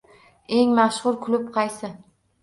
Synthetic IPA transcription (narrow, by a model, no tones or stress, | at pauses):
e̞ŋmaʃχʊɾkʰʊlʊp̚qʰɑjsɪ